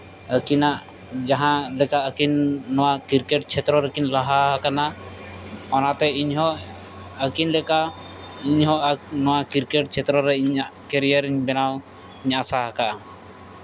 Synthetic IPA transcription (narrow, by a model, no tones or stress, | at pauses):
əkinaʔ | d͡ʒaɦãlɛkaʔəkinːɔwakiɾkɛʈ̚t͡ʃʰɛt̪ɾɔɾɛkinlaɦaɦakana | ɔnaʔt̪ɛiɲɦɔ | əkinlɛkaʔ | iɲɦɔnɔwakiɾkɛʈ̚t͡ʃʰɛt̪ɾɔɾɛiɲaʔkɛɾijəɾiɲbɛnaw | iɲasaɦakaʔ